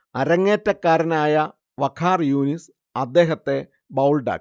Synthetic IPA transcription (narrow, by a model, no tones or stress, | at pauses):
ɐɾɐŋːeːtːɐkːaːɾɐnaːjɐ | ʋɐkʰaːrjuːnis | ɐd̪ːe̞ːɦɐt̪ːe̞ | bɐwlɖa̰ː